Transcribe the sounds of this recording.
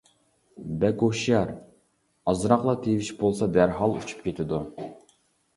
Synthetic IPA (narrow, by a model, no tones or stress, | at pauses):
bɛkoʃjɑɾ | ɑzɾɑqlˠɑt̪ʰeviʃbolˠsɑd̪æɾɦɑlˠut͡ʃʰu̥pkʲʰet̪ʰɪd̪u